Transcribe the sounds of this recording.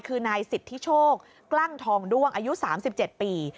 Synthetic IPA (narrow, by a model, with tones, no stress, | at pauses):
jkʰɯː˧naː˧jsi˨˩t̪ʰːi˦˥t͡ɕʰoː˥˩k̚ | kla˥˩ŋt̪ʰɔː˧ŋdu˥˩əŋʔaː˧ju˦˥saː˩˦msi˨˩p̚t͡ɕe˨˩t̪̚piː˨˧